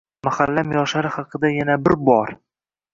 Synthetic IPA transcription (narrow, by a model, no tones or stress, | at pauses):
mahalːamjɒʃlaɾɪhɑqʰɨd̪ajanabɪɾbɒɾ